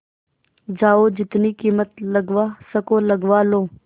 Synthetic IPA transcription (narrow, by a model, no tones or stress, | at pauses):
d͡ʒaːoːd͡ʒɪt̪niːkiːmət̪ləɡʋaːsəkoːləɡʋaːlõː